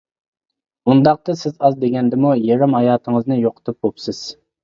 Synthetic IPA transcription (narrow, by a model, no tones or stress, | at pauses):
und̪ɑq̚t̪ɨsɪzɑzd̪eɡʲɛnd̪ɪmujeɾɪmhɑjɑːt̪ʰəŋəznɨjoqʰə̥t̪ʰup̚bopsɪz̥